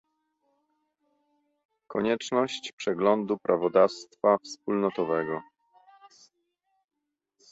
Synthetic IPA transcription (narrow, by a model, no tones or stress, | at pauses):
kɔɲɛt͡ʂnɔɕt͡ɕpʂɛɡlɔnd̪upɾʔavɔd̪afst̪fafspulnɔt̪ɔvɛɡɔ